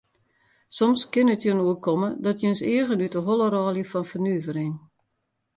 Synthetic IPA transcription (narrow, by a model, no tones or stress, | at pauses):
sɔmskɪnətjənuəkɔmədɔtjønseəɣənytəɦolˠəɾɔːljəfɔnfərnyəvərɪŋ